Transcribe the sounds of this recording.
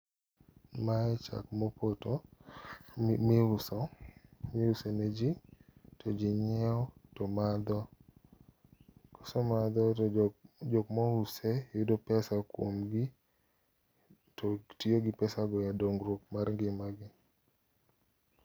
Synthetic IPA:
maɛt͡ʃa̰kmɔpoto | meʊsɔmeusened͡ʒitʰɔd͡ʒiɲɛɔtɔmad̪ɔ | kɔ̥sɔmad̪ɔ | d͡ʒokmɔʊsejʊdopɛsakwomɡɪ | totioɡɪpɛsaɡɔjadoŋɾok̚maɾŋɡɪmaɡɪ

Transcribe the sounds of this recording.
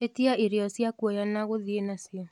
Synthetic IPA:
etiaʔeɾeɔsjakwɔjanaɣoðienasjɔ

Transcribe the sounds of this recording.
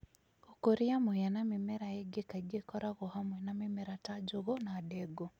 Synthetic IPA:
okoɾiamwɛjanamemɛɾaeɡekaɡekɔɾaɣohamwɛnamemɛɾatad͡ʒoɣonaːdɛɡo

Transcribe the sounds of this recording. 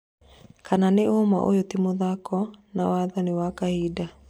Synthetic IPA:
kananeoma̰ʔo̰jotimoðakɔnawaðanewakahida

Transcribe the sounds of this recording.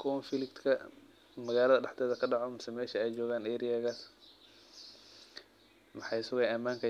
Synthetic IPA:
kʰɔnfɪlɪkt̪kʰɐ | mɐɣaːlɐðɐɖɑħt̪ʰɛːðɐkʰɐɖɑʕɔmɪsɛmɛːʃɐɛjt͡ʃɔːɣaːnɛːɾiɐɣɐs | mɑħɑjɪsʊɣɐjɐmːaːŋkʰɐ

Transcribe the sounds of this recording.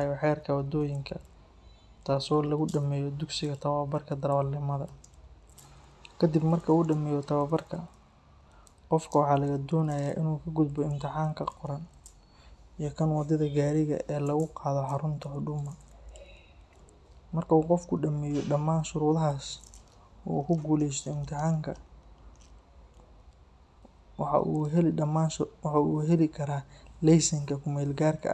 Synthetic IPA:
jɔħɛːrkʰɐwɑd̪ɔːjɪŋkʰɐ | t̪ʰaːsɔːlɐɣʊɖɐmɛːjɔd̪ʊɡsɪɣɐt̪ʰɐwɐbɐrkʰɐd̪ɐɾwɐlnɪmɐðɐ | kʰɐd̪ɪbmɐrkʰɐuːɖɐmɛːjɔt̪ʰɐwaːbɐrkʰɐ | qɔfkʰɐwɑħɑːlɐɣɐd̪ɔːnɐjaːʔɪnuːkʰɐɡʊd̪bɔɪmt̪ʰɪħɑːŋkʰɐqɔɾɐn | ijɔkʰɐnwɑd̪ɐðɐɡaːɾɪɣɐ̰ʔɛːlɐɣʊqɑːðɔħɑɾʊnt̪ʰɐħʊɖʊmɐ | mɐrkʰɐuːqɔfkʰʊɖɐmɛjɔɖɐmːaːnʃʊɾuːðɐɦaːs | ṵːkʰʊɡuːlɛjst̪ʰɔɪmt̪ʰɪħɑːŋkʰɐ | wɑħɑ̰ʔuːɦɛlɪɖɐmaːnwɑħɑuːɦɛlɪkʰɐɾaːlɛjsɐŋkʰɐkʰʊmɛːlɡaːrkʰɐ̰ʔ

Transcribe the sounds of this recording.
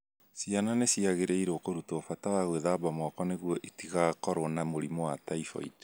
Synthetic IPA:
siananesiaɣeɾeiɾookoɾutoːfatawaɣweðaːbamakɔneɣwɔʔitiɣakɔɾɔnamoɾimɔwataifɔ̰ḭto̥

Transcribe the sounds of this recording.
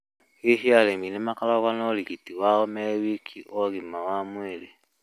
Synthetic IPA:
ehialeminemakalaβanoliɣitiwaɔmewikʰiʔoɣimawamwele

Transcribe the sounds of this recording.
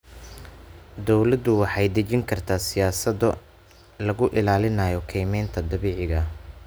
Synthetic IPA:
d̪ɔwlɐd̪ʊwɑħɑjd̪ɐt͡ʃɪŋkʰɐrt̪ʰaːsɪjaːsɐðɔ | lɐɣʊʔɪlaːlɪnɐːjɔkʰɛjmɛjnt̪ʰɐd̪ɐβɛːʕɪɣɐ

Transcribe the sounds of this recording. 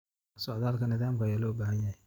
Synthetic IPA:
sɔʕðaːlkʰɐnɪðaːmkɐjaːlɔːbaːɦɐnjɐhɛj

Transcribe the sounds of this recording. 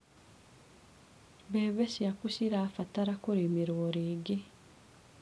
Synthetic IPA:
βeːβesiakusiɾaːfataɾakuɾimiɾwoɾiːɡi

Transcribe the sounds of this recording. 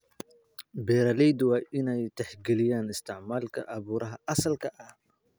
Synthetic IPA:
bɛɾalɛjd̪waːʔɪnɛjt̪ɐħɡɛlɪjaːnɪst̪ʰɪʕmaːlkʰɐʔɐβuːɾɐɦɐʔɐsɐlkʰɐʔɐh

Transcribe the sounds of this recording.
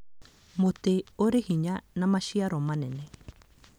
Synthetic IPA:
mot̪eoɾehiɲanãmaʃiaɾomãnene

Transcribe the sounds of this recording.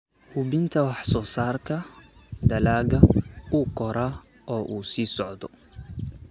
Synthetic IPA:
hʊβɪnt̪ʰɐwɑħsɔːsaːrkʰɐd̪ɐlaːɣɐuːkʰɔɾaː | ʔɔːʔuːsiːsɔʕd̪ɔ

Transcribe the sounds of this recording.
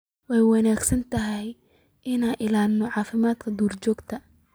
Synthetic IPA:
wɛjwɑnaːɡsɐnt̪ʰɐɦɛj | ʔɪnaːnʔɪlaːlnɔʕɑːfɪmaːd̪kʰɐd̪uːrt͡ʃɔːɡt̪ʰɐ

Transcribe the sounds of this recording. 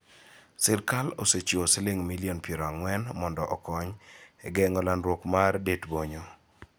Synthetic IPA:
sɪrkalo̰set͡ʃoseleŋmiliɔnpjeɾɔaŋwɛnmɔndɔʔɔkɔɲɛɡɛŋɔlanɾwokmardetboɲo

